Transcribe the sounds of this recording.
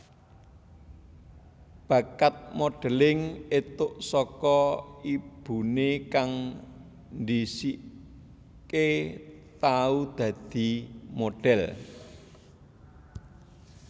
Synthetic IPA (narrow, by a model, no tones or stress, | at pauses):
b̥a̤kat̪̚moɖ̥ɛ̤lɪŋet̪ʊʔsɔkɔib̥ṳnekaŋ | nd̪isiʔ | ket̪aud̪̥ä̤d̪̥i̤moɖ̥ɛl